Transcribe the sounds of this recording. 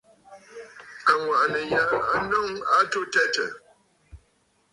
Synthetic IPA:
a˨ŋwa˨ʔnə˨ja˨˦a˦nɔ˦˨ŋa˦to˦tɛ˦tə̰˨

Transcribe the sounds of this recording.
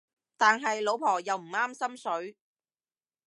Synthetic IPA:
t̪aː˨nɦɐ˨jlo˨˧˥wpʰɔː˨˩jɐ˨wm̩˨˩aː˥msɐ˥msɵ˨˥ɥ

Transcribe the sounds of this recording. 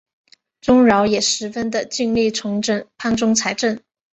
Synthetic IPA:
ʈ͡ʂʊ˥ŋɻɑ˧˥ʊjɛ˨˩ʂɻ̩˧˥fə˥nd̪ə˨t͡ɕi˥˧ŋli˥˩ʈ͡ʂʰʊ˧˥ŋʈ͡ʂə˥˩npʰa˥nʈ͡ʂʊ˥ŋt͡sʰa˧˥ɪʈ͡ʂə˥˩n

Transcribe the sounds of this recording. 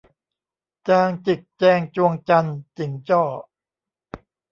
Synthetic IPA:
t͡ɕaː˧ŋt͡ɕi˨˩k̚t͡ɕɛː˧ŋt͡ɕu˧əŋt͡ɕa˧nt͡ɕi˩˦ŋt͡ɕɔː˥˩

